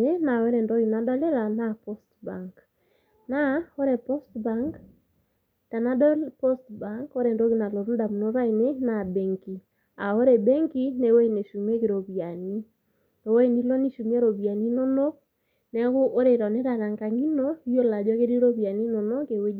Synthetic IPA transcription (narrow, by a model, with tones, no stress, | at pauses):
e˦na˨wɛ˦ɾɛ˨ndɔ˦ɣi˨na˨dɔ˦lɛ˦ɾa˨na˦pɔ˦stba̰˨ŋk | na˦ɔ˦ɾɛ˨pɔ˦stba˨˦ŋk | ta˨na˦dɔ˦pɔ˦stba˦ŋkɔ˦ɾɛ˨ndɔ˦ɣi˦na˨lɔ˨ɾu˦nda˨mu˨no˦ɾa˦ine˦na˨bɛ˨ŋki˨ | a˨ɔ˦ɾɛ˨bɛ˦ŋki˦nɛ˨wɛ˦i˨ne˨ʃu˨m˦e˦ke˨ɾɔ˨βi˨a˨ni˦ | nɔ˨wɛ˦i˦ni˦lɔ˦ni˦ʃu˨m˦ɛ˦ɾɔ˨βi˨a˨ni˦nɔ˦nɔ˦ | nɛ˦ɣʊ˦ʔo˦ɾe˨ɾa˨nɛ˦ɾa˨ɾa˨ŋɡa˨ŋi˦nɔ˦i˦jo˦la˨d͡ʒɔ˦ke˦ɾi˦ɾɔ˦βi˨a˨ni˦nɔ˨nɔ˦ke˨we˦